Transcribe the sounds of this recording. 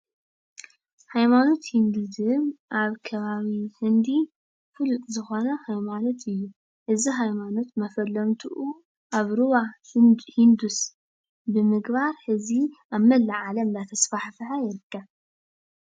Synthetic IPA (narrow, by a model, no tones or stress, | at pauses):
hajmano̞t̪hind̪ɨd̪ɨmʔaβkʰɐβaβihɨnd̪i | fɨlut̪ʼzɨxo̞nɐhajmano̞t̪ɨjːu | ʔɨziɦajmano̞t̪mɐfɐlːɐmt̪ʰuʔu | ʔaβɾuβahind̪us | bɨmɨɡβaɾħɨziaβmɐlːaʕalɐmd̪at̪ʰɐsfaħfɨħajɛɾd̪a